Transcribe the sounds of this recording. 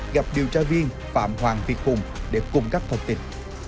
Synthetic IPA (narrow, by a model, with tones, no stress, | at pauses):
ɣa˨˩p̚ɗi˨˩əwt͡ɕaː˧vi˧ən | fa̰ː˧˩˨mɦwaː˨˩ŋvi˨˩ət̚hʊ˨˩ŋ͡mɗe˧˩kʊ˨˩ŋ͡mkaː˦˥k̚t̪ʰə˧˩wŋ͡mt̪ḭ˧˩n